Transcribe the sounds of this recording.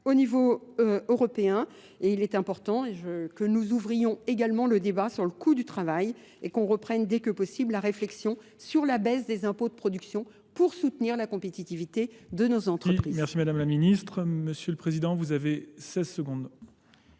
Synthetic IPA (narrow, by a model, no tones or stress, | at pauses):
onivoøʁɔpeɛ̃ | eilɛt̪ɛ̃pɔʁt̪ɑ̃eʒəkənuzuvʁijɔ̃eɡalmɑ̃ləd̪ebasyʁləkʰud̪yt̪χavaj | ekɔ̃ʁəpχɛnd̪ɛkəpɔsibllaʁeflɛksjɔ̃ | syʁlabɛsd̪ezɛ̃pod̪əpχɔd̪yksjɔ̃ | puʁsut̪niʁlakɔ̃pet̪it̪ivit̪ed̪ənozɑ̃t̪χəpχizmɛʁsimad̪amlaminist̪χməsjøləpχezid̪ɑ̃vuzavesɛzsəɡɔ̃d̪